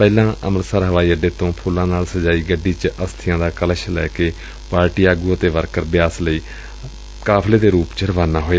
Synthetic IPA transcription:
pɛːlãːʔəməɾsaːɾɦəʋaːiːəɖeːt̪õːpʰʊlãːnaːlsəd͡ʒaːiːɡəɖːiːt͡ʃəst̪ʰɪjãːd̪aːkələʃlɛ̰ːkeː | paːɾʈiːaːɡuːət̪eːʋəɾkəɾbɪjaːsləiː | kaːpʰleːd̪eːɾuːpt͡ʃəɾəʋaːnaːɦoːe

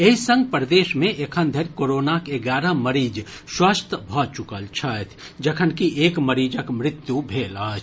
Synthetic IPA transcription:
eisə̃ŋɡ̚pɾəd̪eːʃmẽʔekʰənd̪ʱeɾkoːɾoːnakeɡaːɾəməɾiːd͡ʒ | swaːst̪ʰəbʱɔːt͡ʃʊkəlt͡ʃʰat̪ʰ | d͡ʒɐkʰənkiʔeːkməɾiːd͡ʒəkmɾɪt̪jubʱeːlaːt͡ʃʰ

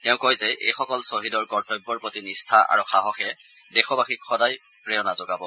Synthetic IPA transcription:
tɛʊ̃kɔjzɛʔḛjxɔkɔlsoɦidɔɹkɔɹtɔjbːɔɹpotinistʰaʔa̰ɹuxaɦɔxɛdɛxɔbaxikxɔdaj | pɹɛɔnazɔɡabɔ

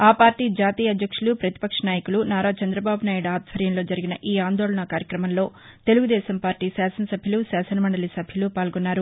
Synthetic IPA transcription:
aːpaːɾʈiːd͡ʒaːt̪iːjɐd̪ʱjɐkʂulupɾɐt̪i̥pɐkʂɐnaːjɐkulunaːɾaːt͡ʃɐnd̪ɾɐbaːbunaːjuɽaːd̪ʱʋɐɾjɐmlo̞ːd͡ʒɐɾiɡinɐʔiːaːnd̪o̞ːɭɐɳɐkaːɾjɐkɾɐmɐmlo̞ː | t̪e̞luɡud̪ɛːsɐmpaːɾʈːiːsaːsɐnɐsɐbʱjɐlusaːsɐnɐmɐɳɖɐlisɐbʱjɐlupaːlɡonːaːɾu

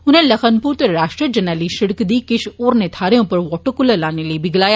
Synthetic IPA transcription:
ʊnɦẽlɐxənpuːɾt̪eɾaːʃʈɾiəd͡ʒɐnaːliʃɪɽkd̪iːkɪʃoːɾnet̪ʰaːɾejõpɐɾʋɔːʈokʊləlaːneliebɪɡlaːja

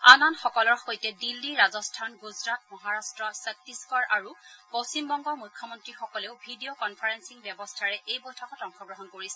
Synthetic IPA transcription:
ananxɔkɔlɔɹxojtɛdilːiɹazɔstʰanɡuzɹatmɔɦaɹastɹɔsak̚tiskɔɹʔaɹupost͡ɕimbɔŋɡɔɹmujkʰjɔmɔntɹixɔkɔleʊbʱidiokɔnpʰaɹensiŋbjɛbɔstʰaɹɛʔejbojtʰɔkɔtɔŋxɔɡɹɔɦɔnkoɹisɛ

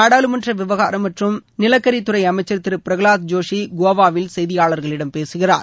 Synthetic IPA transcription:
aːɽaːlɯmɐndrɐʋɪʋɐɣaːɾɐmːɐʈrɯmnɪlɐkːɐɾit̪ːʊrɐɪɐmɐɪt͡ʃːɐɾt̪ːɪɾɯpɪɾɐɣɯɭaːt̪̚d͡ʒoːʂiɡoːʋaːʋɪlsɛjðɪjaːɭɐɾɣɐɭɪɽɐmpeːsɯɣɪra̰ːɾ

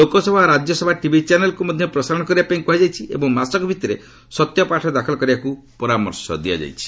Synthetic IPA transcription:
lokɔsɔbʱaɾad͡ʒɔsɔbʱaʈibʱit͡ʃanelɔkumɔd̪ʱjɔpɾɔsaɾɔɽ̃ɔkɔɾibapaĩpuɦajd͡ʒajt͡ʃʰiḛbɔŋmasɔkɔbʱit̪ɔɾe | sɔt̪jɔpaʈʰɔd̪akʰɔlɔkɔɾibaku | pɔɾamɔɾsɔ̰d̪ia̰d͡ʒa̰jt͡ʃʰi̥

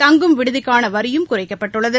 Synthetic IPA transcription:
t̪ɐŋɡɯmʋɪɽɯðɪkːaːnɐʋɐɾɪjɯmkʊrɐɪkːɐpːɐʈːɯɭːɐðɯ

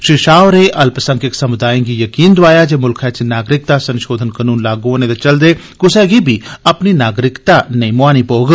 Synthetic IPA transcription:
ʃɾiʃaːʋɾeːʔɐlpəsə̃ŋkɪksəmʊd̪aːjĩŋɡiːjəkiːnd̪ʊaːjaːd͡ʒeːmʊlkʰɛːt͡ʃinaːɡɾɪk̚t̪aːsənʃoːd̪ʱənkənuːnlaːɡooːneːd̪et͡ʃəld̪eː | kʊsɛːɡiːbʱiːəpniːnaːɡɾɪkt̪aːneimʊaːniːpoːɡ

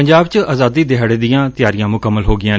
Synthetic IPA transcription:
əɲd͡ʒaːbt͡ʃəaːzaːd̪iːd̪ɪɦəɽeːd̪ɪjãːt̪ɪjaːɾɪjãːmʊkəmːəlɦoːɡɪjãː

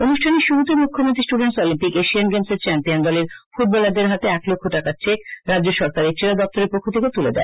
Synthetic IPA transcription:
onuʃʈʰaneʃuɾut̪emukʰːomont̪ɾisʈuɖenʈsɔlimpikeʃianɡemseɾt͡ɕɛmpiond̪ɔleɾfuʈ̚bɔlad̪eɾɦat̪eɛklokʰːoʈakaɾt͡ɕekɾadd͡ʑoʃɔɾkaɾet͡ɕeɾad̪ɔp̚t̪oɾeɾpokʰːot̪ʰeket̪uled̪ɛ̰e

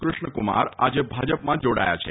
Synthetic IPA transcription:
kɾuʃɳəkuma̰ɾad͡ʒebʱad͡ʒəpmãd͡ʒoɽa̰ja̰t͡ʃʰe

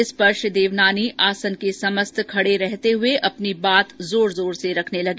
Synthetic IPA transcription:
ɪspɐɾʃd̪eːʋnaːniʔaːsənkesɐməst̪ʰkʰɐɽeɾɛɦt̪eɦʊeʔɐpnibaːt̪zoːɾzoːɾseɾɐkʰnelɐɡeː

